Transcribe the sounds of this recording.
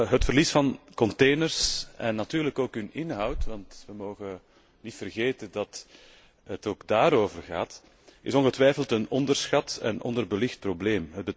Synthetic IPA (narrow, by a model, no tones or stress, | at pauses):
ɦətfərlisfɑnkɔnteːnərsɛnːɑtyːɾləkoːkɦɵnɪnɦɑwtʋɑntʋəmoːɣə | nitfərɣeːtəndɑt | ətoːɡdaːɾoːvərɣaːt | ɪsɔnɣətʋɛjfəlˠtənɔndərsxɑtɛ̰nɔ̰ndərbəlɪxt̚probleːmɦəd̚bə